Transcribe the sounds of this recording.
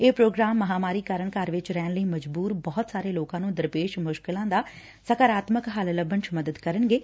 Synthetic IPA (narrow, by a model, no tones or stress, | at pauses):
eːpɾoːɡɾaːmːəɦaːmaːɾiːkəɾəɳkaːɾʋɪt͡ʃɾɛːnləiːməd͡ʒbuːɾbɔːt̪saːɾeːloːkãːnũːd̪əɾpeːʃmʊʃkɪlãːd̪aː | səkaːɾaːt̪məkɦalləbːənt͡ʃʰməd̪əd̪kəɾənɡeː